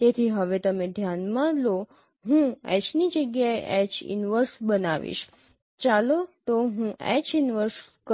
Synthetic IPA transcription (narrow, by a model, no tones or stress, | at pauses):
t̪et̪ʰiɦəʋet̪əmẽd̪ʱjanmãlo | ɦũɛ̰t͡ʃnid͡ʒəɡjaeʔɛt͡ʃḭnʋəɾsbənaʋḭʃ | t͡ʃalot̪oɦũʔɛ̰t͡ʃɪnʋəɾsk